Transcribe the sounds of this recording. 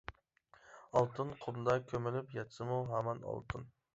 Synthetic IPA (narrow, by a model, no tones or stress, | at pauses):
ɑlˠt̪ʰɨnqʰʊmd̪ɑkʲʰømɪlɪpjɛt̪sɨmuɦæmɛnɑ̰lˠt̪ʰɨn